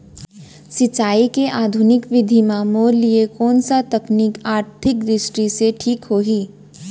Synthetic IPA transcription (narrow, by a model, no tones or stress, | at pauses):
sɪt͡ʃaːikeʔaːd̪ʱʊnɪkʋɪd̪ʱimãːmoːɾliekɔːnsat̪ɐknikaːɾt̪ʰɪk̚ɾɪʃʈɾiseʈʰiːkɦoːɦiː